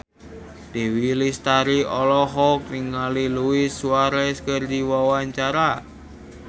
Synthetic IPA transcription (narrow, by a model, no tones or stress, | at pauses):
d̪̥e̤wilist̪aɾiɔlɔɦɔkniŋaliluisuaɾɛskərd̪iwawaɲt͡ʃaɾa